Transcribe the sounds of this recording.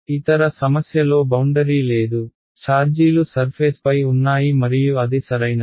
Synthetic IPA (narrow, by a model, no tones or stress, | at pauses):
it̪ɐɾɐsɐmɐsjɐlo̞ːbɐwɳɖɐɾiːle̞ːd̪u | t͡ʃaːɾd͡ʒiːlusɐɾpʰeːspɐjunːaːjimɐɾijuɐd̪isɐɾɐjna